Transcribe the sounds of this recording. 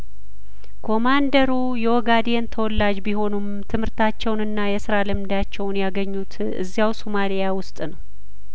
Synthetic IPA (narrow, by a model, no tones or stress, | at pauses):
kʰo̞mand̪əɾu | jɛwɔɡad̪jent̪ʰəwɔlːad͡ʒbiɦo̞num | t̪ʰɨmhɨɾt̪ʰat͡ʃːɛwnɨnːajɛsɨɾalɨmd̪at͡ʃːɛwnjaɡəɲːut̪ | ʔɨ̰zːijawsomalijawʊst̪ʼnəw